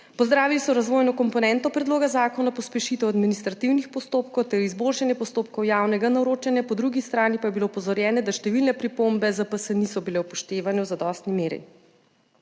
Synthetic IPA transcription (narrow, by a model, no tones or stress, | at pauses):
pɔzd̪ɾaːʋilisɔɾazʋoːjnɔkɔmpɔnɛnt̪ɔpɾɛd̪loːɡazaːkɔnapɔspɛʃit̪ɛwad̪minist̪ɾat̪iwnixpɔst̪oːpkɔwt̪ɛɾizbolʃanjɛpɔst̪oːpkɔwjaːwnɛɡanaɾot͡ʃɛnjapɔd̪ɾuɡist̪ɾaːnipajɛbilopɔzɔɾjɛːnɛd̪aʃt̪ɛʋilnɛpɾipombɛzəpəsənisɔbilɛwpɔʃt̪eːʋanɛwzad̪ɔst̪nimeːɾḭ